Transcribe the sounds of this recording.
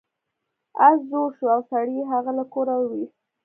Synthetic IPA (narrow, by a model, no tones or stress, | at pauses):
aszoɾʃuawsaɽieɦaɣalakoɾawwi